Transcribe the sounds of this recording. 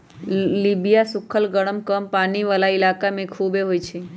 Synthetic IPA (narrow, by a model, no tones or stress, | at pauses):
libijasʊkʰəlɡəɽ̃əmkəmpaːniʋaːlaɪlaːkamẽkʰubeɦoːjt͡ʃʰe